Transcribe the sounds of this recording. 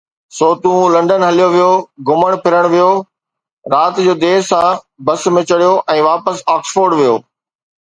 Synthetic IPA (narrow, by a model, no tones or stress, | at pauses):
soːt̪ũlɐ̃ɳɖənɦɐlijoʋijoɡʊməɽ̃pʰɪɾəɽ̃ʋijo | ɾaːt̪d͡ʑoːd̪eːsã | bɐsmẽt͡ɕɐɽijoʔɛ̃ːʋaːpəsaːksfoːɾɖʋijo̰ː